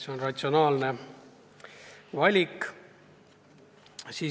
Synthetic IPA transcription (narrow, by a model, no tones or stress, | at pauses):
seonrɑt̪sʲio̞nɑːlne̞ | vɑlʲik | siː